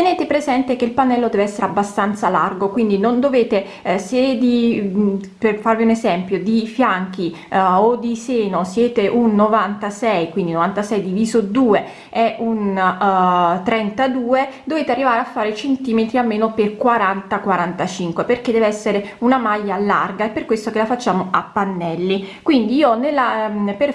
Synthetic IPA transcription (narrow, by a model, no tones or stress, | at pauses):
t̪eneːt̪epɾezɛnt̪ek̟eilpanːɛlːod̪ɛːveɛsːeɾeabːast̪ant̪salarɡokwind̪inond̪oveːt̪e | sed̪i | perfarviunezɛmpjod̪ifjaŋk̟i | od̪iseːnosjɛːt̪eʔunːovant̪asɛjkwind̪inovant̪asɛjd̪iviːzod̪uːe | ɛʔun | t̪ɾɛnt̪ad̪uːed̪oveːt̪earːivaːɾeafːaːɾet͡ʃent̪iːmet̪ɾiamːeːnoperkwaɾant̪akwaɾant̪at͡ʃiŋkweperk̟ed̪ɛveɛsːeɾeunamajːala̰rɡaepːerkwest̪okelafat͡ʃːaːmoapːanːɛlːikwind̪iiːonelːaper